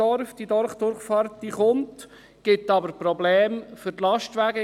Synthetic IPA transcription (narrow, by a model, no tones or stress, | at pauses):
ɔɾfd̥̪id̪ɔɾχd̥̪ʊɾχfɑːɾtdiχʊnt | ɡ̥ɪt̪ːɑbəɾpɾɔblɛːmfʏɾtlɑʃtʋæɡə